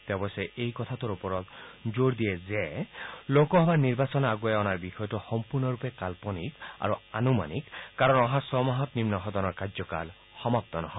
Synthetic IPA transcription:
t̪ɛbɔsɛʔejkɔt̪ʰatɔɹupɔɹɔt̪zoɹd̪ijɛzɛlokɔɦɔbaniɹbasɔnaɡuɛɔnaɹbixɔjɔtɔxɔmpuɹnɔɹupɛkalpɔnika̰ɹuanuma̰nikkaɹɔnɔɦasɔmɔɦɔt̪nimnɔɦɔd̪ɔnɔɹkazɔka̰l | xɔmap̚t̪ɔnɔ̰ɦɔ

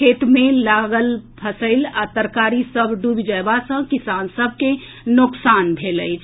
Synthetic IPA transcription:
kʰet̪mẽlaɡəlpʰəsəɪlat̪əɾkaɾisəbʱɖubid͡ʒaebasə̃kisansəbʱke | nʊksanbʱeləɪt͡ʃʰ

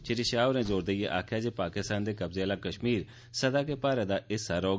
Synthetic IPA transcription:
t͡ʃeʈeːʃaːʊɾẽːzoːɾd̪eːjeʔaːkʰjaːd͡ʒeːpaːkɪst̪ãːnd̪eːkəbzeːlaːkəʃmiːɾ | səd̪aːk̬eːpaːɾeːd̪aːɪsaːɾɔː

